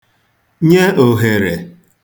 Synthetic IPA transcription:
ɲe˦o˨ɦe˨ɾe˨

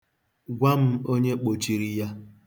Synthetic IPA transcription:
ɡʷa˦m̩˦o˦ɲe˦k͡po˨t͡ʃi˨ɾi˦ja˦

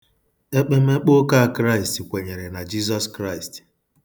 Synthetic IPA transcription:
e˦k͡pe˦m̩˦e˦k͡po˦ka˦a˨kɾa˦ɪ˨sti˨kʷe˨ɲe˨ɾe˨na˨d͡ʒi˦zɔ˦skɾa˦i˨st

